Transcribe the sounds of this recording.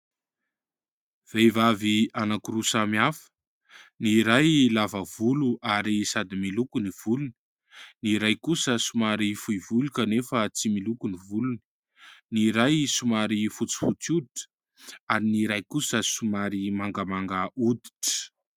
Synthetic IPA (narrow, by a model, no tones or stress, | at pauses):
v̥ejvavianakuɾusamiafə̥ | niɾajlavəv̥uluʔaɾisad̪imilukuniv̥uluni̥ | niɾajkusəsumaɾifujvulukanefət͡similukunivuluni̥ | niɾajsumaɾifut͡si̥fut͡sud̪iʈ͡ʂə̥ | aɾiniɾajkusəsumaɾimaŋɡəmaŋɡaʔud̪i̥ʈ͡ʂə̥